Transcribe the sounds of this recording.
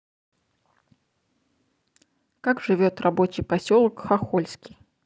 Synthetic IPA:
kakʐɨvʲot̪rɐbo̞t͡ɕɪjpɐsʲolˠkxɐxolʲskʲi̥j

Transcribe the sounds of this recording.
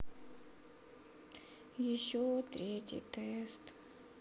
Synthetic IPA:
jɪɕːot̪ɾʲetʲɪ̰jt̪ɛst̪

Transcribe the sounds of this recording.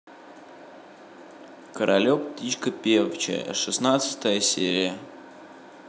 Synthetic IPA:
kəɾʔɐlʲopt̪ʲit͡ɕkəpʲervt͡ɕɪ̰ə̰ʂɨsnat̪sɨ̥t̪əjəsʲeɾʲɪjə

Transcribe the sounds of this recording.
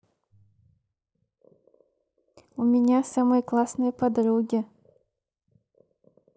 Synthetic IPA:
ʊmʲɪnʲasamɨjəklˠasnɨjəpɐd̪ɾuɡʲɪ

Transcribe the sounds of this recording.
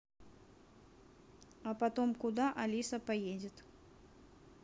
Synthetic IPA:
ɐpɐt̪ɔmkʊd̪aʔɐlʲisɐpajed͡zʲɪt̪

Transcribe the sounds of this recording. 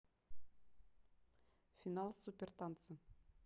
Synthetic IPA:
fʲinalˠsupʲert̪ant̪sə

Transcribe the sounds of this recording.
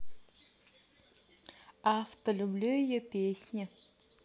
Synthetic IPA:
aft̪əlʲublʲujopʲesʲnʲɪ

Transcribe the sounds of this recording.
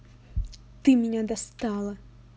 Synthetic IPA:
t̪ɨmʲinʲad̪ast̪ɑlˠɐ

